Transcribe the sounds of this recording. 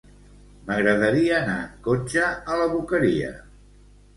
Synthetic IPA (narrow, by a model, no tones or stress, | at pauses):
məɣɾəðəɾiəːnakot͡ʃəələβukəɾḭə̰